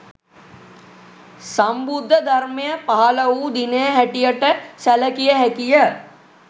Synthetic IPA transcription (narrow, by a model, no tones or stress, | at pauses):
sɐmbud̪ʱːəd̪ʱɐɾmejəpaɦalɐuːd̪inejəɦɛʈijəʈəsɛləkijəɦɛkijə